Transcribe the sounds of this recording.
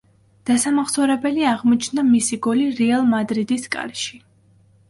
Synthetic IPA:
d̪̥asamaχsɔɾɛbɛliaʁmɔt͡ʃʰnamisiɡɔliɾɛalˠmad̪ɾid̪iskʼa̰ɾʃi

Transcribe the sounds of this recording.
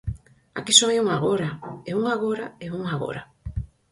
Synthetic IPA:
a̰kisoajuŋaɣoɾaeuŋaɣ̞oɾaeuŋaɣo̰ɾa

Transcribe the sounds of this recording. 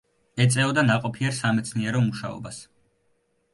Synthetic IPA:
ɛt̪sʼɛɔd̪anaqʼɔpʰiɛɾsamɛt̪sʰniɛɾɔmuʃa̰ɔ̰bas

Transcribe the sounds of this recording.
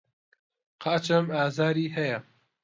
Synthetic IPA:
qʰɑːt͡ʃɐmaːzaːɾiːɦɐjɐ

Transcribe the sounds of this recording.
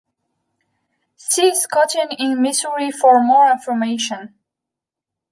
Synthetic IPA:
siskʰɔtɪ̃ŋɪ̃nmɪsəɹifɔɹmɔɹɪ̃nfə˞meɪʃə̃n

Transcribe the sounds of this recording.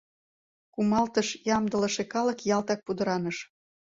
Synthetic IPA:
kumɑlt̪əʃjɑmd̪ə̆ləʃekɑlə̆kjɑlt̪ɑk̚pud̪əɾɑnəʃ

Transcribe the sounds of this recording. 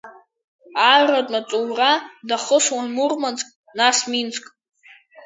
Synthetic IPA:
aradʼmat͡sʼuwradaχəswanmurmant͡sʼkʼ | nasmint͡sʼkʼ

